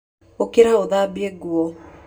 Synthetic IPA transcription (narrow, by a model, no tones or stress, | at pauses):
okeɾaoðabieɡwɔ